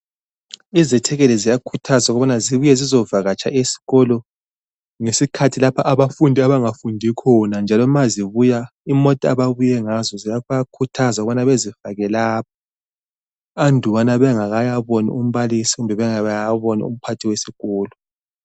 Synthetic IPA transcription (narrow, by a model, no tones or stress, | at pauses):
izɛtʰɛɣɛlɛzijakʰutʰazauɣuβanaziβujɛzizɔvaɣat͡ʃʰʼa̰ʔesi̥ɣɔlɔ | ŋesikʰatʰilapʰaʔaβafundʱiaβaŋafundʱikʰɔnand͡ʒʱalɔmaziβuja | imɔtʼaβaβujɛŋazɔzijaɣjakʰutʰazauɣuβanaβezivaɣɛlaːp̚ʰḁ | andʱuwanaβɛŋaɣajaβɔnḭum̩βalisiɣumbʱɛβɛŋaajaβɔnḭṵm̩pʰatʰiwesiɣ̥ɔːlɔ